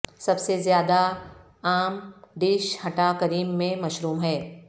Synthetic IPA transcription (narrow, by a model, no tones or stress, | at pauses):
sɐbsezjaːd̪a | aːmɖiːʃhɐʈakɐɾiːmːẽmɐʃɾuːmɦɛː